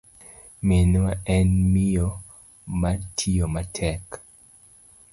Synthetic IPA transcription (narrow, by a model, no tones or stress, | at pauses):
menwaɛnmɪjo | matʰiomatʰɛk